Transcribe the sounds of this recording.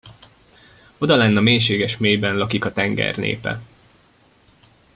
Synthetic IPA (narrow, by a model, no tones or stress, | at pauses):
o̞d̪ɒlɛnːɒmeːjʃeːɡɛʃmeːjbɛnlɒkikɒt̪ɛŋɡɛ̰rnḛːpɛ̰